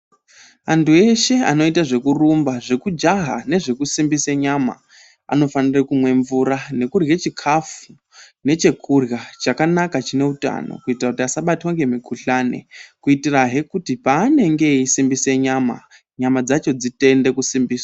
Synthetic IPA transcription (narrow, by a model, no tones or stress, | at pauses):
antue̞ʃe̞a̰no̞itaʐe̞kurumbaʐe̞kud͡ʒaɦa̰ne̞ʐe̞kusimbiseɲama̰ | a̰no̞fanirekumwe̞ɱvuɾane̞kurjet͡ʃikʰafu | ne̞t͡ʃe̞kʰurjat͡ʃakanakat͡ʃine̞uta̰no̰kuitirakutiasaɓatwaŋɡe̞mikʰuɬane̞̰kuitiraɦe̞kutipaːne̞ŋɡe̞isimbise̞ɲaːma̰ | ɲamad͡zat͡ʃo̞d͡zite̞nde̞kusimbiːswa